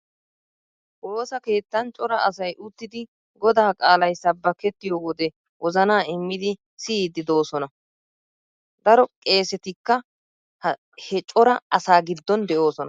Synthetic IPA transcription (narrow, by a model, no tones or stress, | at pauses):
ʔo̞ːsɐke̞ːt̪ːɐnt͡ʃʼɔɾɐɐsɐjʔʊt̪ːɪd̪ɪ | ɡɔd̪aːkʼaːlɐjsɐbːɐkɛt̪ːɪjoːwɔd̪ɛ | wɔzɐnaːɪmːɪd̪ɪ | sɪːd̪ɪd̪o̞ːsɔnɐ | d̪ɐɾɔkʼe̞ːsɛt̪ɪkːɐ | hɛt͡ʃʼɔɾɐɐsaːɡɪd̪ːɔnd̪ɛʔo̞ːsɔnɐ